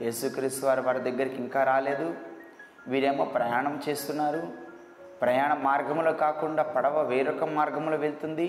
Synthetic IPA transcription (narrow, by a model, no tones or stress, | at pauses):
jeːsukɾiːst̪uʋaːɾiʋaːɾɐd̪ɐɡːɐɾikiŋkaːɾaːle̞ːd̪u | ʋiːɾeːmoːpɾɐjaːɳɐmt͡ʃe̞ːst̪unːaːɾu | pɾɐjaːɳɐmaːɾɡɐmlo̞ːkaːkuɳɖaːpɐɽɐʋɐʋeːɾɔkɐmːaːɾɡɐmloːʋe̞ɭut̪und̪i